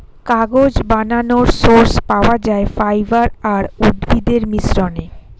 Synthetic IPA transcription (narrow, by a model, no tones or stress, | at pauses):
kaɡod͡ʑbananoɾsoɾspaoad͡ʑaefajbaɾaɾud̪bid̪eɾmisɾone